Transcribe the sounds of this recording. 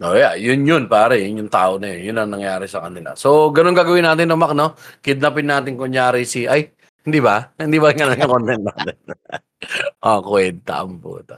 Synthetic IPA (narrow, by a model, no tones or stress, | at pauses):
ʔojaʔjʊnjʊnpaːɾɐjʊnjʊŋt̪aːʔonɐjonjʊnɐŋnɐŋjaːɾɪsɐkɐnɪla̰soɡɐnonɡaːɡɐwɪnːaːt̪ɪnːomak̚no̞kɪd̪̚napɪnaːt̪ɪŋkonjaːɾɪsiʔaj | hɪnd̪iːbɐhɪnd̪ibɐɪŋɐnonkɐŋkont̪ɛnt̪naːt̪ɛn | ʔokwɛnt̪ɐ̰ʔɐmpṵːt̪ɐ